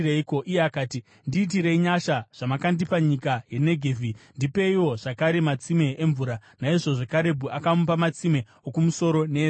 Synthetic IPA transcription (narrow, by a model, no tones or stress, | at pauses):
reiko̞ʔijeakaːti | ndiːt̬iɾe̞iɲaʃaʐ̥amakandipaɲikaje̞ne̞ɡʱevʱindipe̞iwo̞ʐ̥akaɾe̞mat͡sime̞eɱvuɾanaiʐo̞ʐekaɾe̞bʱuʔakamupamat͡sime̞ | okumuso̞ɾo̞ne